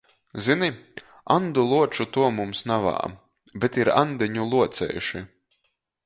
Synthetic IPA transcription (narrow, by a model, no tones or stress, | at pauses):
zini | and̪ulˠuɔt͡ʃut̪uɔmumsnava̰ː | bɛt̪iɾa̰nd̪ɛɲulˠuɔt̪sɛ̰juʃi